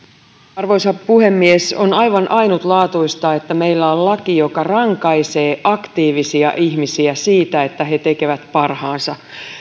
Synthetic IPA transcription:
ɑrʋo̞jsɑpuhe̞mːieso̞nɑjʋɑnʔɑjnut̪lɑːt̪uist̪ɑe̞t̪ːæme̞ilːæollɑkijo̞kɑrɑŋkɑjse̞ːʔɑkt̪iːʋisiɑ̰ʔiçmisiæsiːt̪æe̞t̪ːæɦe̞t̪e̞ke̞ʋæt̪pɑrhɑːnsɑ

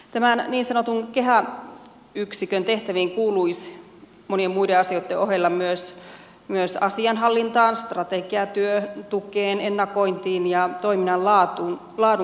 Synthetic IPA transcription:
t̪æmænniːnsɑnot̪uŋkeɦæ | yksikønt̪eht̪æʋiŋkuːluis | moniemmuideɑsioit̪ːeʔohelːɑmyøs | myøsɑsiɑnɦɑlːint̪ɑːnst̪rɑt̪eɡ̥iɑt̪yøt̪ukeːnenːɑkoint̪iːnjɑt̪oiminɑllɑːt̪un | lɑːdu

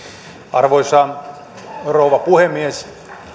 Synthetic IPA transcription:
ɑrʋoisɑːn | rouʋɑpuhemːies

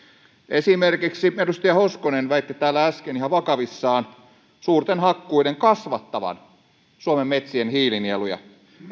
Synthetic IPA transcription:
ʔesimerkiksiedust̪ɑjɑhoskonenʋæit̪ːit̪æːlːææskenihɑʋɑkɑʋisːɑːn | suːrt̪enhɑkːuideŋkɑsʋɑt̪ːɑʋɑ̰n | suomemːet̪sienhiːlinielujɑ̰

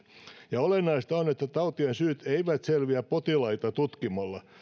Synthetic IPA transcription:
jɑolenːɑist̪ɑonet̪ːæt̪ɑut̪iensyːt̪eiʋæt̪selʋiæppot̪ilɑit̪ɑt̪ut̪kimɑlːɑ

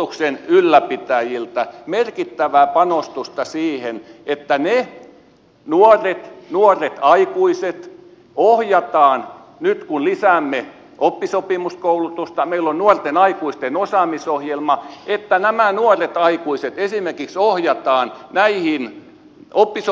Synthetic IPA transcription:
uksenylːæpit̪æjilt̪æmerkit̪ːæʋæːpɑnost̪ust̪ɑsiːhenet̪ːæne | nuoret̪nuoret̪ɑikuiset̪ | ohjɑt̪ɑːn | nyt̪kunlisæmːe | ʔopːisopimuskoulut̪ust̪ɑmeilːonnuort̪enɑikuist̪enosɑˑmisohjelmɑet̪ːænæmænuoret̪ɑikuiset̪esimerkiksohjɑt̪ɑːnnæihin | opːiso

